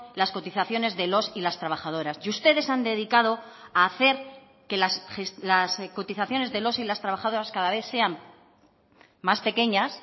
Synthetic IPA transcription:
lasko̞t̪iθaθjo̞ne̞zðe̞lo̞silast̪ɾaβ̞axað̞o̞ɾasjust̪e̞ðe̞sand̪e̞ðikað̞o̞aːθe̞ɾ | ke̞lasxeslasko̞t̪iθaθjo̞ne̞zðe̞lo̞silast̪ɾaβaxað̞o̞ɾaskaðaβ̞e̞θse̞am | maspe̞ke̞ɲas

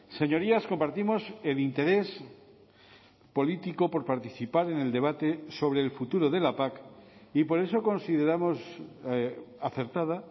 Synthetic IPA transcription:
se̞ɲo̞ɾiasko̞mpaɾt̪imo̞se̞lint̪e̞ɾe̞s | po̞lit̪iko̞po̞ɾpaɾt̪iθipaɾe̞ne̞ld̪e̞β̞at̪eso̞βɾe̞ːlfut̪uɾoðe̞lapakipo̞ɾe̞so̞ko̞nsiðe̞ɾamo̞s | aθe̞ɾt̪að̞a

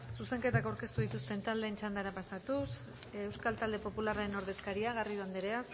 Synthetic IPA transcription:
suse̞ŋke̞t̪akawɾke̞st̪uðit̪ust̪e̞nt̪ald̪e̞ːnt͡ʃand̪aɾapasat̪us | ewskalt̪ald̪e̞po̞pularaeno̞ɾð̞e̞skaɾiaɣ̞ariðoand̪eɾeas

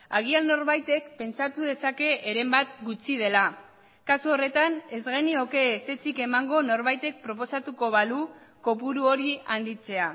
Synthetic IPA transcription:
aɣ̞ialno̞ɾβajt̪e̞kpe̞nt͡sat̪uð̞e̞sake̞ʔːɾe̞mbat̪ɡut͡sið̞e̞la | kasuo̞re̞t̪ane̞zɣe̞nio̞ke̞se̞t͡sike̞maŋɡo̞no̞ɾβajt̪e̞k̚pɾo̞p̬o̞sat̪uko̞β̞alu | ko̞puɾuo̞ɾiand̪it͡se̞a

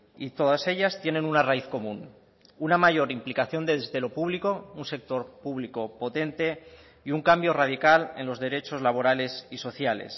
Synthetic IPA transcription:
it̪o̞ðase̞ʎast̪je̞ne̞nunaraiθko̞mũn | unamaʝo̞ɾimplikaθjo̞nd̪e̞ðezðe̞lo̞puβliko̞unse̞k̚t̪o̞ɾpuβliko̞po̞t̪e̞nt̪e̞ | iuŋkambjo̞rað̞ikale̞nlo̞zðe̞ɾe̞t͡ʃo̞zlaβ̞o̞ɾale̞siso̞θjale̞̰s

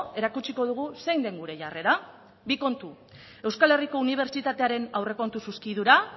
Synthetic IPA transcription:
e̞ɾakut͡ʃiko̞ð̞uɣ̞use̞jnd̪e̞ŋɡuɾe̞ʝare̞ɾa | biko̞nt̪u | e̞wskale̞riko̞uniβ̞e̞ɾt͡ʃit̪at̪e̞aɾe̞nawre̞ko̞nt̪ususkiðuɾa

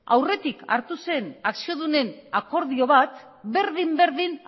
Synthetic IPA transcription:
awre̞t̪ika̰ɾt̪use̞naksio̞ðune̞nako̞ɾðio̞β̞at̪ | be̞ɾðimbe̞ɾðin

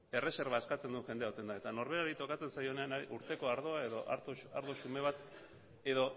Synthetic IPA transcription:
e̞re̞se̞ɾβae̞skat͡se̞nd̪uʝe̞nd̪eaot̪e̞nd̪ae̞t̪ano̞ɾβe̞ɾaɾit̪o̞kat͡se̞nsajo̞ne̞anaiʔuɾt̪e̞ko̞aɾð̞o̞ae̞ðo̞ʔa̰ɾt̪oaɾðoʃume̞β̞at̪ | e̞ðo̞

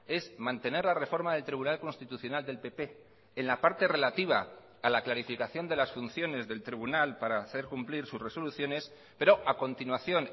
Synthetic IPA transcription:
e̞zmãnt̪e̞ne̞ɾlare̞fo̞ɾmaðe̞lt̪ɾiβ̞unalko̞nst̪it̪uθjo̞nald̪e̞lpe̞pe̞ː | nlapaɾt̪e̞re̞lat̪iβ̞a | alaklaɾifikaθjo̞nd̪e̞lasfun̟θjo̞ne̞zðe̞lt̪ɾiβunalpaɾaθe̞ɾkumpliɾsusre̞so̞luθjo̞ne̞s | pe̞ɾo̞ʔako̞nt̪inwaθjo̞n

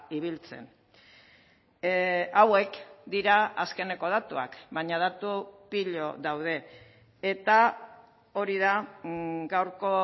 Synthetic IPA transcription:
iβilt͡se̞̰n | awe̞kd̪iɾaaske̞ne̞ko̞ð̞at̪ua̰kβaɲað̞at̪upiʎo̞ðawð̞e̞ː | t̪a | o̞ɾiða | ɡawɾko̞

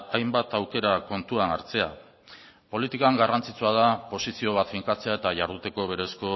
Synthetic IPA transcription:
ajmbat̪awke̞ɾako̞nt̪uanaɾt͡se̞a | po̞lit̪ikaŋɡarant͡sit͡suaðapo̞sisio̞β̞at̪fiŋkat͡se̞ae̞t̪aʝaɾðut̪e̞ko̞βe̞ɾe̞sko̞

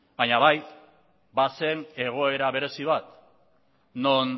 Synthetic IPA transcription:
b̥aɲaβaj | base̞ne̞ɣ̞o̞e̞ɾaβe̞ɾe̞siβat̪ | no̞n

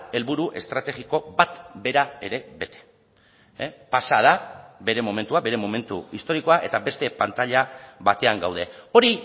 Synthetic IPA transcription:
e̞lβuɾuʔe̞st̪ɾat̪e̞ɣiko̞bat̪be̞ɾae̞ɾe̞βe̞t̪e̥ | pasað̞abe̞ɾe̞mome̞nt̪uabe̞ɾe̞mome̞nt̪uist̪o̞ɾiko̞aʔe̞t̪abe̞st̪e̞pant̪aʎaβat̪e̞aŋɡawð̞e̞o̞ɾi

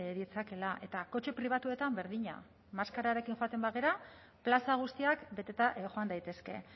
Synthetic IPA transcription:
ðit͡sake̞laʔe̞t̪ako̞t͡ʃe̞pɾiβ̞at̪ue̞t̪ambe̞ɾðiɲa̰ | maskaɾaɾe̞kiŋxo̞at̪e̞mbaɣeɾa | plasaɣ̞ust̪iakbe̞t̪e̞t̪aʔxoand̪ajt̪e̞ske̞̰

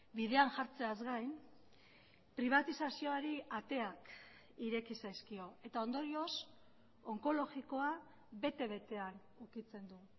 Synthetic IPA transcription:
bið̞e̞anʝaɾt͡se̞azɣajn | pɾiβ̞at̪isasio̞aɾiat̪e̞ak | iɾe̞kisajskio̞e̞t̪ao̞nd̪o̞ɾio̞s | o̞ŋko̞lo̞ɣiko̞a | βe̞t̪e̞β̞e̞t̪e̞an | ukit͡se̞nd̪u

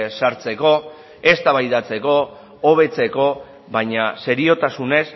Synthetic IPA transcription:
saɾt͡se̞ko̞ | e̞st̪aβajðat͡se̞ko̞ː | β̞e̞t͡se̞ko̞ | βajɲase̞ɾio̞t̪asune̞s

